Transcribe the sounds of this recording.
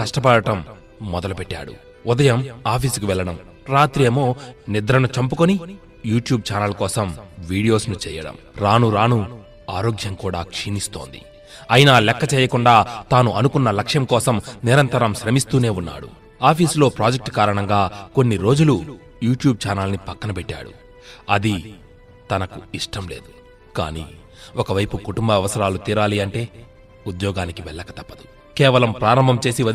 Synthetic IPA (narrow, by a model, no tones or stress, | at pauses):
kɐʂʈɐpɐɽɐʈɐmː | ɔd̪ɐlupeʈːa̰ːɽṵ | ud̪ɐjɐmaːpʰiːskuʋɛɭːɐɽɐm | ɾaːt̪ɾeːmo̞ːnid̪ɾɐnut͡ʃɐmpukoni | juːʈjuːb̚t͡ʃaːnɐlkɔːsɐmʋiːɽijo̞ːsnut͡ʃɛːjɐɽɐ̰mɾaːnuɾaːnu | aːɾo̞ːɡjɐmkuːɽa̰ːkʂinist̪o̞̰ːnd̪ḭ | ɐjinɐlɛkːɐt͡ʃɛːjɐkuɳɖaːt̪aːnuʔɐnukunːɐlɐkʂjɐmkɔːsɐmniɾɐnt̪ɐɾɐmʃɾɐmist̪uːne̞ːunːa̰ːɽṵ | aːpʰiːslo̞ːpɾaːd͡ʒek̚ʈkaːɾɐɳɐŋɡaːko̞nːiɾo̞ːd͡ʒulu | juːʈjuːb̚t͡ʃaːnɐlnipɐkːɐnɐpɛʈːa̰ːɽṵ | ɐd̪i | t̪ɐnɐkuiʂʈʰɐmleːd̪u̥ | ka̰ːnḭː | ɔkɐʋɐjpukuʈumbɐʋɛʋɐsɐɾaːlut̪iːɾaːliɐɳʈe̞ː | ud̪jɔːɡaːnikiʋɛɭːɐkɐt̪ɐpːɐd̪u̥ | kɛːʋɐlɐmpɾaːɾɐmbʱɐmt͡ʃe̞ːsiʋɐ